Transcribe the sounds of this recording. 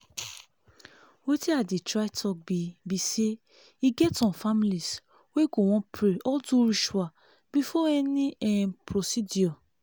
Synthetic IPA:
wotiadetɾatʰɔk̚bibise | iɡɛtɔ̃familis | wekow̃ɔ̃pɾeɔduɾiʃua | b̥ifɔɛnĩɛpɾosidiɔ

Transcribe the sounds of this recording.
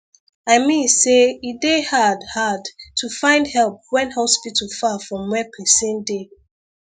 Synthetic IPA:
aɪmĩnseidehadhadtʰufãɪ̃ndhɛlˠp̚wɛ̃nhɔspitʰəfafɹɔ̃mwɛpʰɛsɛ̃nde

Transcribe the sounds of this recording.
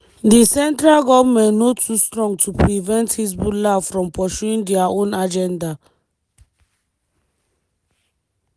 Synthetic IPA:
disɛ̃ntɹalɡɔvmɛ̃nnotustɹɔ̃ŋɡ̚tʰupɹivɛ̃nthisbulavfɹɔ̃mpɔʃuĩŋdɛaʔõnad͡ʒɛ̃nda

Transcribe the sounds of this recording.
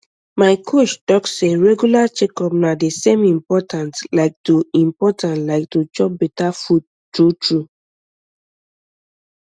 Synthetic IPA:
maɪkʰot͡ʃtɔkseɹɛɡjulat͡ʃekɔp̚nadesẽmĩmpɔtʰãntlaɪk̚tuĩmpɔtãntlaɪk̚tut͡ʃɔp̚bɛtafud̚ | tutʰɹu

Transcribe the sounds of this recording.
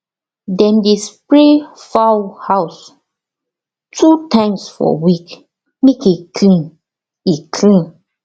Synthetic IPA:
dɛ̃ndespɹefawhaʊs | tʰutãŋsfɔ̰wik | mekikʰlĩn | ikʰlĩn

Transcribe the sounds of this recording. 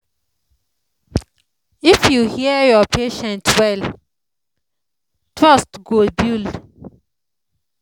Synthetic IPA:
ɪfjuːhiəjəpʰeːʃə̃ntwɛl | t̪ʰɹast̪ɡoːbjʉl

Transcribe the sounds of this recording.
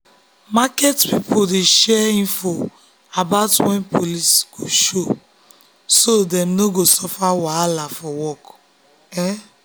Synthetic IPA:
makɛtpipodeʃɛĩnfo | abaʊtwɛ̃npʰolisɡ̥oʃo | sodɛmnoɡosɔfawalafɔwɔk | ɛ

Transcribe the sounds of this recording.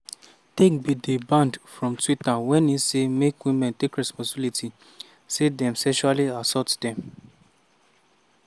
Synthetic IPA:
tekbidebãndfɹɔ̃mtwitawɛ̃nisemekwimɛ̃ntekɹɛspɔ̃sbilitʰi | sedɛ̃msɛʃualiasɔtd̥ɛ̃m

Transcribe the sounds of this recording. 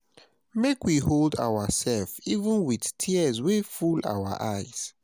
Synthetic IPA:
mekwiɦolda̰wəsɛlfivə̃nwiðtʰiəzwefulʔa̰ʊwə̰ʔaɪz̥

